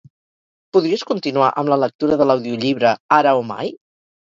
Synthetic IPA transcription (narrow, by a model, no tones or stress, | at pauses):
puðɾiəskunt̪inua̰ʔəmlələk̚t̪uɾəðələwðiuʎiβ̞ɾəaɾəoma̰j